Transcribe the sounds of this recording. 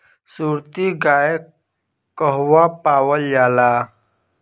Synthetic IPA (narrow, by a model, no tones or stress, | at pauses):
suːɾt̪iɡaːe | kəɦwapaːwəljaːlaː